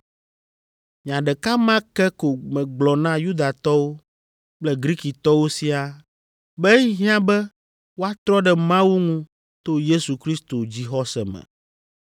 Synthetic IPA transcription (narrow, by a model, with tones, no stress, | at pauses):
m̃˨ã˨ɖɛ˨ka˦mã˦kɛ˦ko˨mɛ̃˨ɡ͡blɔ˨nã˦ju˦d̪a˨t̪ɔ˦wo˦ | k͡plɛ˦ɡɾi˦ki˨t̪ɔ˦wo˦si˦a˨ | bɛ˦i˦ɦĩ˦ã˦bɛ˦ | wo˦a˦t̪ɾɔ˦ɖɛ˨mã˦wu˦ŋũ˦ | t̪o˦je˦su˨kɾi˦st̪o˨d͡ʑi˦xɔ˦sɛ̰˨mɛ̰̃˨